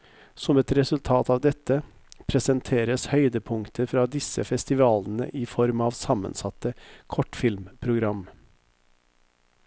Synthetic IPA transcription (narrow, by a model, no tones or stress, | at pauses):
sɔmɛt̪ɾɛsʉlt̪ʰɑːt̪ʰɑːʋd̪ɛt̪ːə | pʰɾɛsənt̪ʰeːɾəshœʏd̪əpʰʊŋt̪ʰəfɾɑːd̪ɪsːə̰fɛst̪ɪʋɑːlnə̰ʔɪfɔɾmɑːʋsɑmə̰nsɑt̪ːəkʰɔʈfɪlmpʰɾʊɡɾɑm